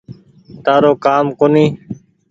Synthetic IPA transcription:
t̪aːɾoːkaːmkoːniː

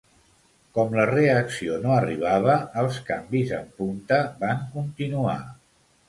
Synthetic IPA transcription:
kɔmləreəksionoəriβ̞aβəːlˠskambizəmpunt̪əbaŋkunt̪inua̰

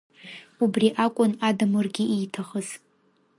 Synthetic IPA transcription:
ubriʔakʷʼʊnadamɨrɡʲɪʔijtʰaχəz̥

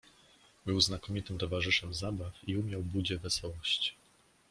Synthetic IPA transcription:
bɘwznakɔmʲit̪ɘmt̪ɔvaʐɘʂɛmzabafiumʲjawbud͡ʑɛvɛsɔwɔɕt͡ɕi̥

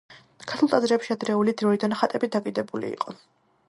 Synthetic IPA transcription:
kʰaɾt̪ʰulˠt̪ʼazɾɛpʃiad̪ɾɛulid̪ɾɔid̪anχat̪ʼɛbid̪akʼid̪ɛbulḭːqʼɔ

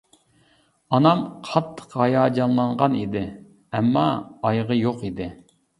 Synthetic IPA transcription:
ɑnɑmqʰɑt̪ʰːə̥qɑjɑːd͡ʒɑnlˠɑɴʁɑnid̪ɪ | ɛmːɑːjʁəjoqid̪ɪ

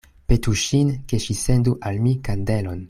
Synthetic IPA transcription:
petuʃinkeʃisenduʔalmikande̞lo̞n

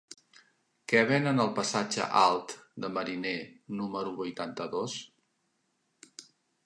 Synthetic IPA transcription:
kɛβenənəlˠpəsad͡ʒə̰ʔalˠt̪d̪əməɾinenuməɾuβujt̪ant̪əðos

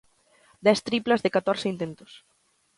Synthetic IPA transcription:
d̪ɛst̪ɾiplɐzðɪkat̪ɔɾsɪint̪ent̪ʊ̥s

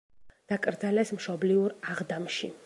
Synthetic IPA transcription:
d̪̥akʼɾd̪zalɛsmʃɔbliuɾaʁd̪amʃḭ

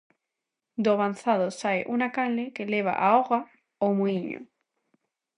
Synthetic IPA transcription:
d̪oβanθaðosaeʔunakallekeleβ̞a̰ʔaoɣa | omuiɲo̰

